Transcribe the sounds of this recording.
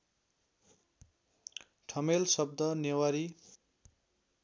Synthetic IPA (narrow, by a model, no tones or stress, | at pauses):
ʈʰʌmelsʌb̚d̪ʌnewaɾi